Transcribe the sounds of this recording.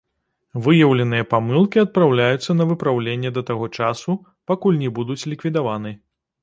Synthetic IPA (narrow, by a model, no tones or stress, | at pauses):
vɨjɐwlʲɛn̪ɨjɐpamɨlˠkʲiɐt̪̚pɾawlʲajut̪sːɐnɐvɨpɾawlʲenʲːɛd̪ɐt̪aɣɔt͡ʂasu | pakulʲnʲɛbud̪ut͡sʲlʲikvʲid̪avanɨ